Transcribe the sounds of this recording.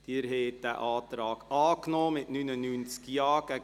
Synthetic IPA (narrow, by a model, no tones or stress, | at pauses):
d̥iːɾɦɛːt̚d̥æ̰ːʔɑːtɾɑːɡɑːknoːmɪtnynənynt͡skjɑːɡ̥æ